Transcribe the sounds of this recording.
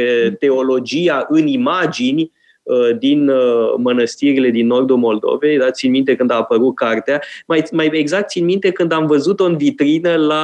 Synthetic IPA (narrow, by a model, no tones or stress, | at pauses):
t̪e̞o̞lo̞d͡ʒiaʔɨnimad͡ʒinʲ | əd̪inmənəst̪iɾile̞d̪inːo̞rd̪ulmo̞ld̪o̞̰ve̞jd̪at̪t̪sinmint̪e̞kɨnd̪aːpəɾut̪̚kart̪eamajmajeɡzak̚t̪sinmint̪e̞kɨnd̪amvəzut̪oɨnvit̪ɾinəla